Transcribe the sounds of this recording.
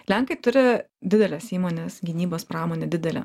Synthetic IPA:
lʲæŋkɐɪt̪ʊɾʲɪ | d̪ʲɪd̪ʲɛlʲɛsiːmoːnʲesɡʲɪnʲiːboːspɾɑːmoːnʲed̪ʲɪd̪ʲɛlʲɛ̰

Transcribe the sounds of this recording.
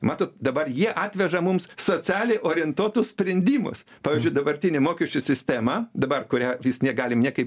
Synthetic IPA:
mɑːt̪oːt̪d̪ɐbɐrjiɛʔɑːt̪ʲʋʲɛʒɐmʊmssoːt͡ssʲɑːlʲɛɪʔoːɾʲɪɪnt̪uɔt̪ʊssʲpʲɾʲɛnʲd̪ʲiːmʊ̰spɑːʋʲiːzʲd͡ʒʲʊɪd̪ɐbɐɾʲt̪ʲɪnʲɪmoːkʲɛʃʲt͡ʃʲʊsʲɪsʲt̪ʲæmɐd̪ɐbɐrkʊɾʲæːʋʲiːsnʲiɛɡɑːlʲɪmnʲiɛkɐɪp

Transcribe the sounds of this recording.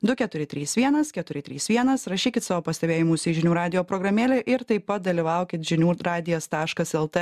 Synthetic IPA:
d̪ʊkʲɛt̪ʊɾʲɪt̪ʲɾʲiːsʋʲiɛnɐskʲɛt̪ʊɾʲɪt̪ʲɾʲḭːsʋʲiɛnɐsɾɐʃʲiːkʲɪt̪sɑːʋoːpɐsʲt̪ʲɛbʲeːjɪmuːsʲiʒʲɪnʲuːɾɑːd̪ʲɪjoːpɾɔːɡɾɐmʲeːlʲeʔɪɾt̪ɐɪpɐt̪̚d̪ɐlʲiʋɐˑʊkʲɪt̪ʒʲɪnʲuːɾɑːd̪ʲɪjost̪ɑːʃkɐsɛlˠt̪ɛ

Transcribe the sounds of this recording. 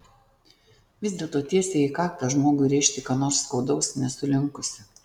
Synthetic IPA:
ʋʲɪzd̪ʲiɛlˠt̪oːt̪ʲiɛsʲeiːkɑːkt̪ɐʒmoːɡʊɪɾʲɛɪʃʲt̪ʲɪkɑːnoːɾsːkɒʊd̪ɒʊsnʲɛsʊlʲɪŋkʊsʲɪ

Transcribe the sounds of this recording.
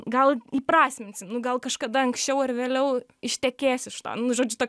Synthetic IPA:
ɡɐlˠiːpɾɑːsʲmʲɪnʲsʲɪnʊɡɐlˠkɐʃkɐd̪ɐɐŋksʲt͡ʃʲɛʊɐrʋʲeːlʲɛʊ | ɪʃʲt̪ʲɛkʲeːsʲɪʃt̪o̰ːnnʊʒoːd͡ʒʲʊt̪oːkʲ

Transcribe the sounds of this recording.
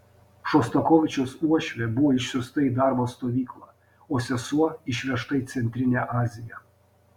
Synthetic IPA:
ʃɔst̪ɔkɔːʋʲɪt͡ʃʲoːsuɔʃʲʋʲebʊʋoːɪʃʲsʲʊst̪ɐid̪ɑˑɾboːst̪oːʋʲiːklˠɐ | oːsʲɛsuɔɪʃʲʋʲiɛʃt̪ɐɪt̪sʲɛnʲt̪ʲɾʲɪnʲeʔɑːzʲɪjɛ

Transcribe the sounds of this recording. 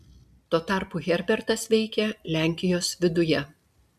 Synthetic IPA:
t̪oːt̪ɑˑɾpuɣʲɛɾʲbʲɛɾt̪ɐsʋʲɛɪkʲɛlʲæˑŋʲkʲɪjoːsʋʲɪd̪ʊjɛ

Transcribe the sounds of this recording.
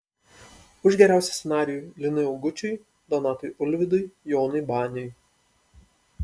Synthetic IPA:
ʊʒʲɡʲɛɾʲæˑʊsʲɛːsʲɛnɑːɾʲɪjulʲɪnɐɪɐʊɡʊt͡ʃʲʊj | d̪ɔnɑːt̪ojʔʊlʲʋʲɪd̪ɔɪjoːnɐɪbɑːnʲɔj

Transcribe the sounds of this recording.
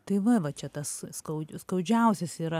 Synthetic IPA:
t̪ɐɪʋɐʋɐt͡ʃʲɛt̪ɐsskɐʊskɐʊd͡ʒʲɛʊsʲɛsiːɾɐ

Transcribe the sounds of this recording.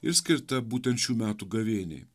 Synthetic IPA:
ɪɾsʲkʲɪɾt̪ɐbuːt̪ʲɛnt̪ʃʲuːmʲæːt̪uɡɐʋʲeːnʲḛː

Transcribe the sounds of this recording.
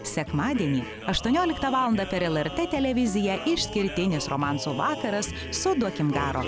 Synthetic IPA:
sʲɛkmɑːd̪ʲiɛnʲiː | ɐʃt̪uɔnʲoːlʲɪkt̪ɐʋɑːlˠɐnd̪ɐpʲɛɾɛlˠɛɾʲt̪ʲɛːt̪ʲɛlʲɛʋʲɪzʲɪjɛʔɪʃʲsʲkʲɪɾʲt̪ʲɪnʲɪsɾɔːmɑˑnsuːʋɑːkɐɾɐs | sʊd̪uɔkʲɪmɡɑːɾo̰ː

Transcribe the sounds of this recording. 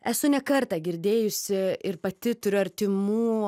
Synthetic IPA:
æsʊnʲɛkɐɾt̪ɐɡʲɪɾʲd̪ʲeːjʊsʲɪɪɾpɐt̪ʲɪt̪ʊɾʲʊɐɾʲt̪ʲɪmuː

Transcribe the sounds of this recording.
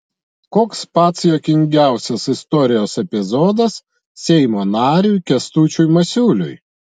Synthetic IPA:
koːkspɑːt̪sjoːkʲɪŋʲɡʲæˑʊsʲɛsɪst̪ɔɾʲɪjoːsɛpʲɪzɔːd̪ɐs | sʲɛɪmoːnɑːɾʲujkʲɛst̪uːt͡ʃʲujmɐsʲuːlʲʊ̰j

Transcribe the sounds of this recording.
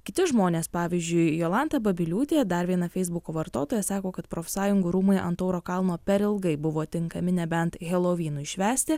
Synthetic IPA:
kʲɪt̪ʲɪʒmoːnʲeːspɑːʋʲiːzʲd͡ʒʲʊɪjoːlˠɑnt̪ɐbɐbʲɪlʲuːt̪ʲeːd̪ɐɾʋʲiɛnɐfʲɛɪzbʊkoːʋɐɾt̪oːt̪oːjɛsɑːkoːkɐt̪pɾoːfʲsɑːjʊŋɡʊɾuːmɐɪʔɐ̰nt̪oːɾoːkɐlˠnoːpʲɛɾɪlˠɡɐɪbʊʋoːt̪ʲɪŋkɐmʲɪnʲɛbʲɛnt̪ɣʲɛlˠoːʋʲiːnʊɪʃʲʋʲæːsʲt̪ʲɪ

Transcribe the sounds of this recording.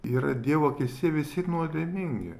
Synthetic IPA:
iːɾɐd̪ʲiɛʋokʲɪsʲiɛʋʲɪsʲɪnuɔd̪ʲemʲɪŋʲɡʲɪ̰

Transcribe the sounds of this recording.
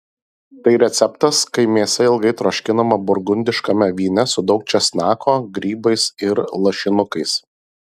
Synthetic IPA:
t̪ɐɪɾʲɛt̪sʲɛpt̪ɐskɐɪmʲeɛsʲɛɪlˠɡɐɪt̪ɾoːʃʲkʲɪnɐmɐbʊɾɡʊnʲd̪ʲɪʃkɐmʲɛʋʲiːnʲɛsʊd̪ɒʊk̚t͡ʃʲɛsʲnʲɑːkʰoːɡɾʲiːbɐɪsɪɾlˠɐʃʲɪnʊkɐɪs

